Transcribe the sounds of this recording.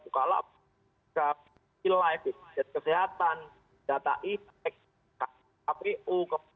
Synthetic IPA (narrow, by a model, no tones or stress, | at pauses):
ukala̰ | ka | ilajfit̪d͡ʒat̪̚kəseɦat̪an | dat̪a̰ʔi | ɛk̚ | ka | apeʔukə